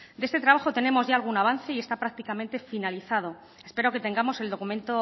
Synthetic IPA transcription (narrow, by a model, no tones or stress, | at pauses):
d̪ee̞st̪e̞t̪ɾaβ̞axo̞t̪e̞ne̞mo̞zʝaːlɣ̞unaβ̞anθe̞ie̞st̪apɾak̚t̪ikamẽ̞nt̪e̞finaliθaðo̞ | e̞spe̞ɾo̞ke̞t̪e̞ŋɡamo̞se̞ld̪o̞kumẽ̞nt̪o̞